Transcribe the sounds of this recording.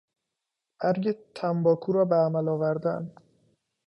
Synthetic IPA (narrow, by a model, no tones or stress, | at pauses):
ʔæɾɟet̪ʰæmbɒːkʰuːɾɒːbeæmælɒːvæɾd̪æ̰n